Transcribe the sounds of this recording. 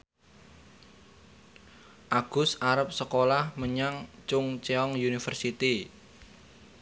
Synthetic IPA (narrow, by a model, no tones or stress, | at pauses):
ʔaɡ̥ʊ̤saɾəp̚səkolahməɲaŋt͡ʃʊŋt͡ʃeɔŋjunifərsit̪i